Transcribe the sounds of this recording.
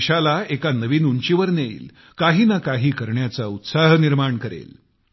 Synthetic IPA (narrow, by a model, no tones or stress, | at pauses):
ɕalaekanəʋiːnuɳt͡ɕiʋəɾneḭːl | kaɦiːnakaɦiːkəɾɳjat͡saut̪saɦniɾmaɳkəɾḛl